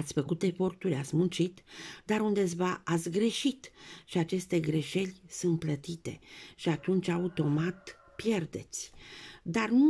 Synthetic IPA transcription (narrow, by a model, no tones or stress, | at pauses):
t̪sʲfəkut̪e̞fo̞rt̪uɾʲat̪sʲmunt͡ʃit̪d̪aɾund̪es̬vaat̪sʲɡɾe̞ʃit̪ʃiat͡ʃe̞st̪e̞ɡɾe̞ʃe̞lʲsunt̪̚plət̪it̪e̞̰ʃiat̪unt͡ʃʲaut̪o̞mat̪ | pje̞rd̪e̞̰t̪sʲd̪arnu